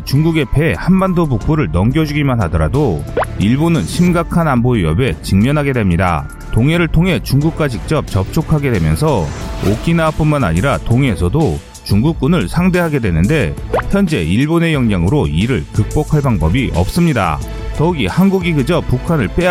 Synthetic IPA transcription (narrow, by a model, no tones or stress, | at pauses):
t͡ɕuŋɡuɡe̞pe̞hanbandobuk̚k͈oɾɯɭnʌŋɡjʌd͡ʑuɡimanɦadʌɾa̰doiɭbonɯnɕʰimɡakʰananboijʌbe̞t͡ɕiŋmjʌnɦaɡe̞dwe̞mɲida̰ | toŋe̞ɾɯɭtʰoŋɦe̞t͡ɕuŋɡuk̚k͈wad͡ʑik̚t͡ɕ͈ʌp̚t͡ɕʌp̚t͡ɕ͈ʰokʰaɡe̞dwe̞mjʌnsʰʌok͈inap͈unmana̰ɲiɾatoŋe̞sʰʌdo | t͡ɕuŋɡuk̚k͈unɯɭsʰaŋde̞ɦaɡe̞dwe̞nɯnde̞çjʌnd͡ʑe̞̰iɭbone̞jʌŋɲaŋɯɾoiɾɯɭkɯk̚p͈okʰaɭbaŋbʌbiʌp̚s͈ɯmɲida̰ | tʌuɡihanɡuɡiɡɯd͡ʑʌpukʰanɯɭp͈e̞